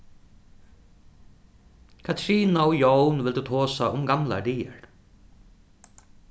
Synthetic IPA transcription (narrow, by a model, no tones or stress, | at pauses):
kʰat̪ʰɾiːnaʊjownvɪld̪ut̪ʰɔːsaʔʊmɡamla̰d̪iːəɹ